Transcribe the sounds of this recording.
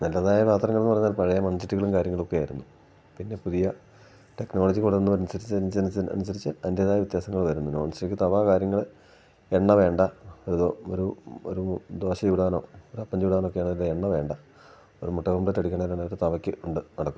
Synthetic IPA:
nɐlːɐðaːjɐʋaːt̪rɐŋːɐɭenːupɐrɐɲːaːlpɐɻɐjɐmɐnsiʈːuɣɐɭumkaːɾjɐŋːɐɭo̞kːejaːjiɾunːu | pinːe̞puðijɐ | ʈe̞kno̞ːlɐd͡ʑikoɽɐt̪ːenːupɐɾɐnusɐɾit͡ɕːt͡ɕːɐnɐ̰nusɐɾit͡ɕːɨɐndjɐðaːjɐʋit̪jaːsɐŋːɐɭʋɐɾunːunomɐnsɐʈːikʲːɨt̪ɐʋaːkaːɾjɐŋːɐɭ | e̞ɳːɐʋe̞ːɳɖɐoɾuooɾuo̰ɾud̪o̞ːɕɐjuːɽaːno̞ːoɾuɐpːɐɲd͡ʑjuːɽaːno̞kːe̞jaːɳɐðilːeeɳːɐʋe̞ːɳɖɐ | o̞ɾumoʈːɐʋɐmɭetːɐɽikʲːɐɳɐðilaːɳɐɾt̪ɐʋɐkʲːɨuɳɖɨnɐɽɐkːu

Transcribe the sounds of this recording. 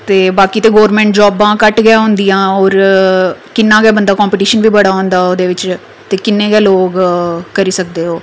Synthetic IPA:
t̪eːbaːkiːt̪eːɡoːəɾmẽːɳʈ̚d͡ʒɔːbãːkəʈɡɪjãːɦʊ̃nd̪ijãːɔːɾ | kɪnːãːɡɛaːbənd̪aːkɔːmpɪʈiːʃənʋiːbəɽaːɦõːnd̪aːoːd̪eːʋɪt͡ʃ | t̪eːkɪnːẽːɡɛːloːɡkəɾiːsək̚d̪eːɦoː

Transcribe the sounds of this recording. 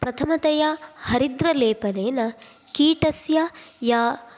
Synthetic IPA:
pɾɐt̪ʰɐmɐt̪ɐjɐhɐɾid̪ɾɐleːpɐneːnɐ | kiːʈɐsjɐjaː

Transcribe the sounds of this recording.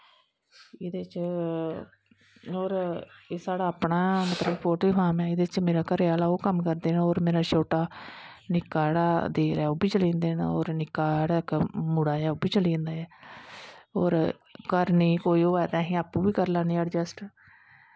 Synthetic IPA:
ɪd̪eːt͡ʃ | oːɾeːsaːɽaːəpɳaːmət̪ləbpoːʈiːfaːmɛːɪd̪eːt͡ʃmeːɾaːkəɾeaːlaːoːkəmkəɾd̪eːnoːɾmeːɾaːʃoːʈaːnɪkːaːɽaːd̪eːɾɛːoːbiːt͡ʃəlĩːnd̪eːno̰ːɾnɪkːaːɽakmʊɽaːjɛːoːbiːt͡ʃəlĩːnd̪aːɛː | oːɾ | kəɾnĩːkoːiːoːɛːt̪ɛ̃ːɦĩːaːpːũːbiːkəɾlaːnĩːəɖd͡ʒəsʈ

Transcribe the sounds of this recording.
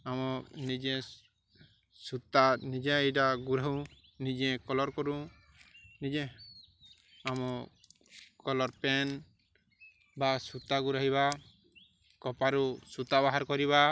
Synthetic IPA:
amɔnid͡ʒɛ̃ | sut̪anid͡ʒɛ̃ʈaɡuɾaɦũ | nid͡ʒɛ̃kɔlɔɾkɔɾũ | nid͡ʒɛ̃ | amɔ | kɔlɔɾpɛn | basut̪aɡuɾaɦiba | kɔpaɾusut̪aβaɦaɾkɔɾiβa

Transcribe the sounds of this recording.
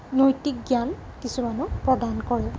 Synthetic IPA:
nojtik̚ɡjan | kisumanʊpɹɔdankɔɹɛ

